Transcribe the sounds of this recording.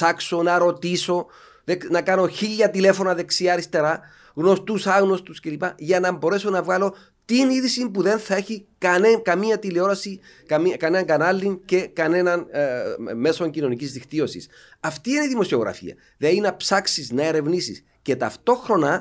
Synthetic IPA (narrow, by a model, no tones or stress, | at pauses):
sɐkso̞nɐɾo̞t̪iso̞ | ðenɐkɐno̞çiʎːɐt̪ile̞fo̞nɐðe̞ksiɐːɾist̪e̞ɾɐ | ɣno̞st̪usɐɣno̞st̪usce̞lipɐʝɐnɐmbo̞ɾe̞so̞nɐvɣɐlo̞ | t̪iniðisimpuðe̞nθɐe̞çikɐnekɐmiɐt̪ileo̞ɾɐsi | kɐmikɐnenɐŋɡɐnɐlːince̞kɐne̞nɐn | me̞so̞ɲcino̞nicizðixt̪io̞sḭs | ɐft̪iiniðimo̞sio̞ɣɾʔɐ̰fḭɐ̰ | ðeinɐpsɐksiznɐe̞ɾe̞vnisḭs | ce̞t̪ɐ̰ft̪o̞xɾo̞nɐ